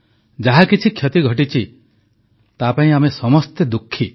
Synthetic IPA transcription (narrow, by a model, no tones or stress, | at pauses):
d͡ʒaɦakit͡ʃʰikʰjɔt̪iɡʱɔʈit͡ʃʰi | t̪apaĩamesɔmɔst̪ed̪ukʰːi